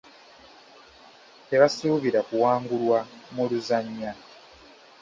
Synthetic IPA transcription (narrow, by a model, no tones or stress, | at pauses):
te̞βasuːβiɾakuwaːŋɡulwamuluzaɲːa